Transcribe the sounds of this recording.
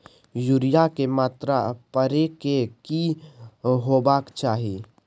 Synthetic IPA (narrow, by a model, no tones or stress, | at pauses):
juɾɪjakemaːt̪ɾapəɾekeki | ɦoːbaːkt͡ʃaːɦi